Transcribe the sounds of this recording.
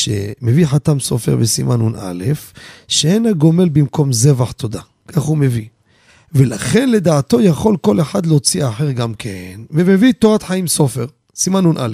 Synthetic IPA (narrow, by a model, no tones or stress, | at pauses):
ʃḛmeviħat̪amso̞̰feʁbesḭmʔanuna̰le̞fʃeenaɡo̞me̞lbimko̞mzevaħt̪o̞d̪a | kʰaχhume̞vi | ve̞laχe̞nle̞d̪aːt̪o̞jaχo̞lko̞leħad̪leot͡siaħeʁɡamkʰenveme̞vit̪oʁat̪ħaimso̞fe̞ʁ | simanunʔa̰lef